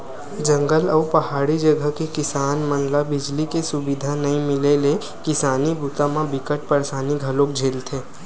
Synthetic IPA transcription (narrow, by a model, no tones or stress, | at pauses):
d͡ʒə̃ŋɡəlɔːpɐɦaːɽid͡ʒəɡəkekɪsaːnmənlabɪd͡ʒlikesʊbɪd̪ʱanɐɦĩmɪlele | kɪsaːnibut̪amãbɪkəʈ̚pəɾsaːniɡʱəlõk̚d͡ʒʱeːlt̪ʰeː